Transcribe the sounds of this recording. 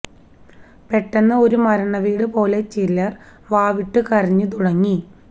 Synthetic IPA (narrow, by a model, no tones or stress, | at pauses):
pe̞ʈːɐnːɐo̞ɾumɐɾɐɳɐʋiːɽɨpo̞ːle̞t͡ɕilːɐr | ʋaːʋiʈːɨkɐriɲːɨt̪uɽɐŋːi